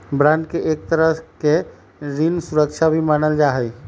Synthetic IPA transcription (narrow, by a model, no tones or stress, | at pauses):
bɾãnɖ̚keʔek̚t̪əɾəɦke | ɾinsuɾəkt͡ʃʰabʱimaːnəld͡ʒaːɦɛj